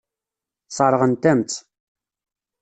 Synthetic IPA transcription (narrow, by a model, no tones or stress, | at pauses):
sˤɑɾˤʁənt̪æmt͡s̪